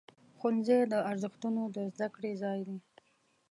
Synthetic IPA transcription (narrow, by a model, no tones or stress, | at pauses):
xʊnzed̪əaɾzɪxt̪unod̪əzd̪akɽezɑjd̪i